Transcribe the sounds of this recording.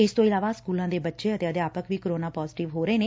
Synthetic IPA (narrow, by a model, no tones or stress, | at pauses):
ɪst̪õːɪlaːʋaːskuːlãːd̪eːbətːʃeːət̪eəd̪eaːpəkʋiːkəɾoːnaːpɔːzɪʈɪʋɦoːɾəeːneː